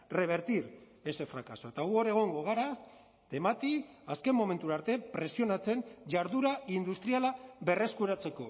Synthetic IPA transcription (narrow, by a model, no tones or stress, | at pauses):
re̞β̞e̞ɾt̪iɾ | e̞se̞fɾakaso̞et̪aɣuoɾeɣ̞o̞ŋɡo̞ɣ̞aɾa | d̪̥e̞mat̪i | aske̞mːo̞me̞nt̪uɾaɾt̪e̞pɾe̞sio̞nat͡se̞nʝaɾðuɾaind̪ust̪ɾialaβe̞re̞skuɾat͡se̞ko̞